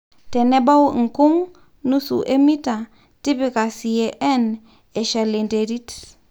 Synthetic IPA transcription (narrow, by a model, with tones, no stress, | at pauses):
tɛ˨ne˦ba˦wŋ̩˨ku˦ŋ | nu˦sṵ˨ʔe˦mi˦ta˨ | ti˦pi˨ka˨si˨e˨ʔɛ˦n | e˨ʃa˨le˨nde˨ɾi˦t